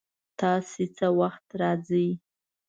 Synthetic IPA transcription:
t̪ɑset͡səwaxt̪ɾɑd͡zəj

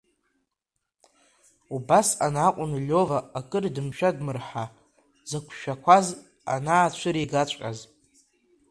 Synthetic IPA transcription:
ubasa̰naqʷʼʊnlʲovaːkʼɨrdɨmʃᶣadmɨrħa | zakʷʰʃᶣakʷʰaz | a̰naːt͡ʃʷʰɨɾiɡat͡ɕʷʼa̰z

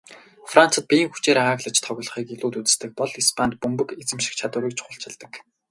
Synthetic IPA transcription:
fran̥t͡sə̆t̪̚pʲij̆ŋxut͡ɕeːɾeaːɣɮə̆t͡ɕt̪ʰɔɣʲʊ̆ɮɞ̆χiːkiɮuːt̪ut͡sɘ̥̆st̪ɘ̆k̚pɔɮispʰant̪̚pɵmpɵ̆ket͡sɘ̆mʃĭ̥kt͡ɕʰat̪ʊːɾiːkt͡ɕχʊɬt͡ɕʰɪ̆ɮt̪ə̆k

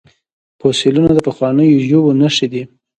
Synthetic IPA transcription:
posɪlunad̪əpaxwɑnəjoʒobonaʃid̪i

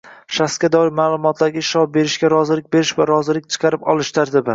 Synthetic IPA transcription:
ʃaskʲad̪ɒɪɾmaːlˠʊmɒt̪ʰlaɾɡʲaʃɒp̚be̞ɾɪʃɡʲaɾɒzɪlɪk̚ʲbe̞ɾɪʃvaɾɒzɪlɪk̚ʲt͡ʃʰɨ̥qʰɑɾɪpɒlˠɪʃd̪aɾd̪ɪbɪ

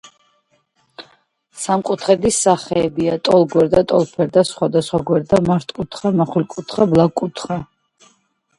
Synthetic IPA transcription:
samqʼut̪ʰχɛd̪isaχɛːbiat̪ʼɔlˠɡwɛɾd̪at̪ʼɔlˠpʰɛɾd̪asχwad̪asχwaɡwɛɾd̪amaɾt̪ʼkʼut̪ʰχamaχulkʼut̪ʰχablˠakʼut̪ʰχa

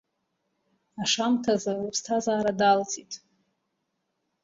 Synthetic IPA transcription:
aʂamtʰazarupʰstʰazaːɾadalt͡sʼitʼ

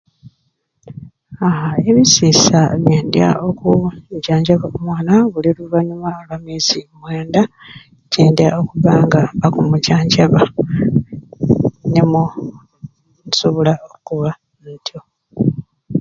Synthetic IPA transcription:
aɦae̞βisiːsaβjeːndja̰ʔo̞kucaːɲɟaβaomwaːnaβuliluβaɲumaolwamiːzimwe̞ːnda | ceːndjao̞kuβaːŋɡaβakumucaːɲɟaβa | nemu | soβulaokuβa | ntʰjo

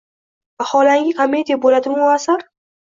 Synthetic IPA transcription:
vaχɒlaŋɡʲɪkʰomʲːe̞d̪ʲijabolad̪ɪmʊasɪɾ

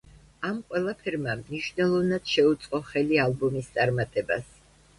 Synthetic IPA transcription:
amqʼwɛlˠapʰɛɾmamniʃnɛlˠɔvnad̪̥ʃɛut̪sʼqʼɔχɛlialˠbɔmist̪sʼaɾmat̪ʼɛba̰s

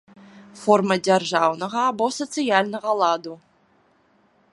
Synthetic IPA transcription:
formɐdʲerʒɑvnəʁɑːbosot̪sɨjalʲnəʁɑlˠɑd̪u

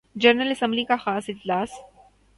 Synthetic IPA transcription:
d͡ʒɐɾnəlɐsə̃mblikaxaːsɪd͡ʒlaːs

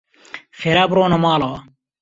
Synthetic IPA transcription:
fʰeɾaːpɾoːnɐmaːloː

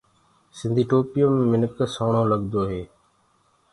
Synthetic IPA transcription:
sɪnd̪ʱiːʈoːpɪjoːmẽːmɪnəksaːɳoːləɡd̪oːɦeː

